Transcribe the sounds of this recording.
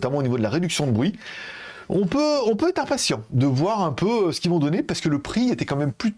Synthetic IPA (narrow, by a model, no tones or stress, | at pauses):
t̪amɑ̃onivod̪əlaʁed̪yksjɔ̃d̪əbʁɥi | ɔ̃pøɔ̃pøɛt̪χɛ̃pasjɑ̃d̪əvwaʁɛ̃pøøsə̥kʲivɔ̃d̪ɔnepaʁsəkələpχiet̪ɛkɑ̃mɛmply